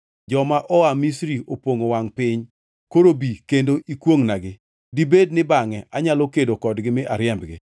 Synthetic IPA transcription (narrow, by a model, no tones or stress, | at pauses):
d͡ʒɔmaʔɔamisɾiopwoŋowaŋpɪɲ | koɾobikendoʔikwoŋnaɡɪ | dibed̚nɪbaŋɛʔaɲalokedokɔdɡɪmɪʔaɾjɛmbɡɪ̰